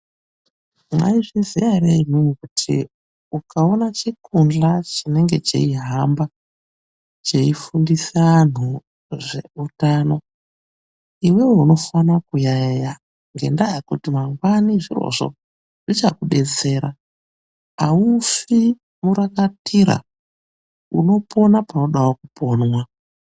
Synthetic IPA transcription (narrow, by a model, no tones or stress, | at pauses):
ma̰iʐizijareimumukutʰḭ | ukao̞nat͡ʃekʰund͡ɮat͡ʃine̞ŋɡe̞t͡ʃḛiɦamba | t͡ʃe̞ifundisan̤u | ʐe̞̰utaːno̞ | iwe̞weuno̞fanakujaja | ŋɡe̞̰ndajekutimaŋɡwaniʐiro̞̰ʐo̞̰ | ʐit͡ʃakuɗe̞t͡se̞ːɾa | aufi | muɾakatiɾa̰ | ṵno̞po̞napano̞ɗawokupo̞ːnwa